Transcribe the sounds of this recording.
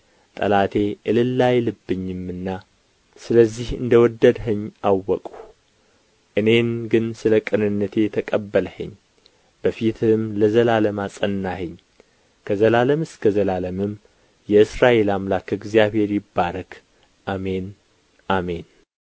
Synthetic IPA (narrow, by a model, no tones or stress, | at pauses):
t̪ʼə̰lat̪ʰe̞ʔɨlɨlːajlɨbːɨɲːɨmɨnːa | sɨləzːihɨ̰nd̪əwɔd̪ːəd̪ɦəɲːawːɔkʼu | ʔɨne̞nɡɨnsɨləkʼɨnɨnːət̪ʰe̞t̪ʰəkʼəbːələhə̰ɲː | b̥əfit̪ʰɨmləzəlaləmasʼənːahəɲː | kʰəzəlaləmɨskʰəzəlaləmɨm | jɛɨsɾaʔe̞lamlakɨɡzijaβhe̞ɾjɪbːaɾəkʰ | ʔame̞n | ʔame̞n